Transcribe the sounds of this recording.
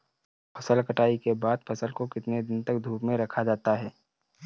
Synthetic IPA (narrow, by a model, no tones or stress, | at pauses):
pʰɐsəlkəʈaːikebaːd̪pʰɐsəlkokɪt̪ned̪ɪnt̪ɐkd̪ʱuːpmẽɾɐkʰad͡ʒaːt̪aɦɛː